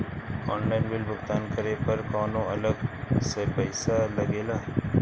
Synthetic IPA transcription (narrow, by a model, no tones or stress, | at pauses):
ɔːnlaːɪnbɪlbʊxt̪aːnkəɾepɐɾkaːnõɐləɡsepɛɪsalɐɡeːlaː